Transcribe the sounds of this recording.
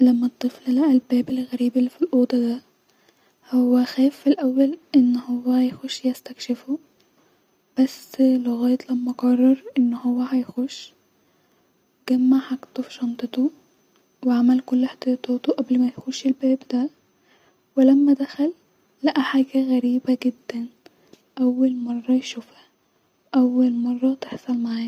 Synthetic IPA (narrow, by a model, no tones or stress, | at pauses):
læmːæt̪ˤːɨfllæʔælbæːbelɣæɾiːbelːifilʔoːd̪ˤɑd̪æ | howːæxæːfːilʔæwːælʔenːhowːæhjxoʃːjest̪ækʃefo | b̥æsleɣɑːjet̪ˤlæmːæɡɑrˤːɑɾˤʔenːhowːæhæjxoʃ | ɡ̥æmːaʕħaɡt̪ofi̥ʃɑnt̪ˤɨt̪o | weʕamælkolːħt̪ˤɑjɑt̪ˤɑːt̪oʔæblmæjxuʃelbæːbd̪æ | welæmːæd̪æxælː | æʔæħaːɡæɣæɾiːbæɡɪd̪ːæn | ʔæwːælmɑrˤːɑjʃuːfhæ | ʔæwːælmɑrˤːɑt̪eħsˤɑlmaʕaːj